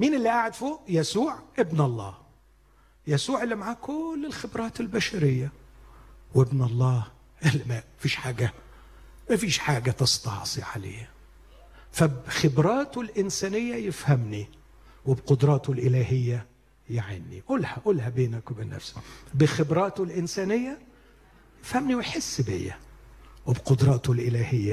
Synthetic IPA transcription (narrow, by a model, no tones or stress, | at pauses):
miːnɪlːiʔaʕɪd̪fuːjæsuːʕʔɪbnɑlˤːɑ̰ːh | jæsuːʕɪlːimaʕaːkʊlːɪlxɪbɾˤɑːt̪ɪlbæʃæɾɪjːa | wɪbnɑlˤːɑːh | ʔɪlːmæmæfiːʃħaːɡæ | mæfiːʃħaːɡæt̪ɑst̪ɑ̰ʕsˤiʕa̰lḛːh | fæbxɪbɾˤɑːt̪ulʔɪnsæːnɪjːæjɪfhæmni | wɪbqʊd̪ɾˤɑːt̪olʔɪlæːɦɪjːæ | jaʕɪnːḭʔolhæʔolhæbeːnækwebenːæ̰fsæ̥bɪxɪbɾˤɑːt̪ʊlʔɪnsæːnɪjːæ | jɪfhæmniwɪħɪsːbɪ̰jːæ̰wɪbqʊd̪ɾˤɑːt̪olʔɪlæːhɪjːæ